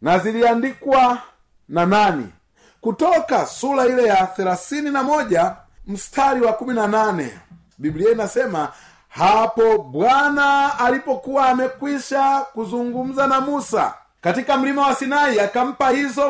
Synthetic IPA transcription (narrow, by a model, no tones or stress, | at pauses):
naziliandikwa | nananḭ | kutɔkasulailɛjaθɛlaθininamɔʄa | m̩stʰaliwakuminananɛ̰ | bibliɛinasɛma | hapɔbwanaːlipɔkuwaːmɛkwiʃakuzuŋɡum̩zanamusa̰ | katikam̩limawasinaiakam̩pahizɔ